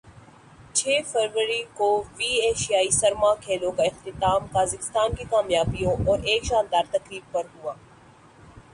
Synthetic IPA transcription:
t͡ʃʰeːfɐɾʋəɾikoʋiːeːʃijaːisɐɾmaːkʰeːlõkaɪxt̪ɪt̪aːmkaːzɪkɪ̥st̪aːnkikaːmjaːbijõʔɔːɾeːkʃãːnd̪aːɾt̪ɐkɾiːb̚pɐɾɦuaː

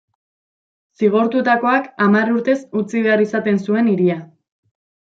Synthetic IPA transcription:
siɣ̞oɾt̪ut̪ako̞akamaruɾt̪e̞sut͡siβe̞arisat̪e̞nsue̞niɾia

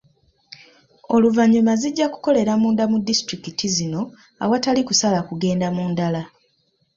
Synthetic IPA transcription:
o̞luvaɲːumaziɟːaku̥ko̞le̞ɾamuːndamudistɾikitʰizino̞ | a̰watalikusalakuɡe̞ːndamuːndala

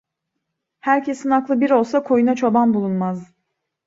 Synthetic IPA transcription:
hæɾcʰe̞sinaklˠɯbiɾo̞lˠsakʰo̞junat͡ʃʰo̞banbulˠunmaz

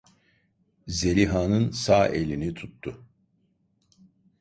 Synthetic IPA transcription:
ze̞lʲiɦaːnɯnsaːʔelʲinit̪ʰut̪ːʊ

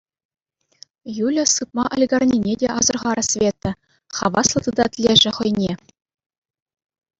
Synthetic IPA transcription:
julʲɘ̆sɯp̚mɑʔŏlʲɡɑrnʲinʲedʲeʔɑzɤ̆rʁɑɾɤ̆sʲvʲet̪ːɘ̆ | χɑ̰ʋɑslˠɤ̆t̪ɯd̪ɑt̪ʲlʲeʐɘ̆χɤ̆jnʲe

